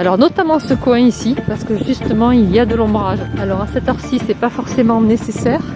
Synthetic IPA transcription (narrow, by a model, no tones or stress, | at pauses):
alɔʁnɔt̪amɑ̃səkwɛ̃isipaʁsə̥kəʒyst̪əmɑ̃ilijad̪əlɔ̃bʁaʒalɔʁasɛt̪œʁsisːɛpafɔʁsemɑ̃nesesɛːʁ